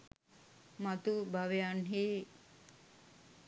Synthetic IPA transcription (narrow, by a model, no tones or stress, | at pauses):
mat̪ubʱaʋejanɦeː